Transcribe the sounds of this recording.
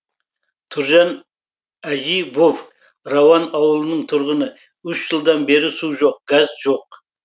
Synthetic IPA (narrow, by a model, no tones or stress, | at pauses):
t̪ʰʊɾʒɑn | æʒijbov | rɑwɑnɑwəlˠənəɴt̪ʰʊɾʁənə | ʏʃʒəlˠd̪ɑnbe̞ɾɪsuʒo̞q̚ɡ̥ɑzʒo̞q̚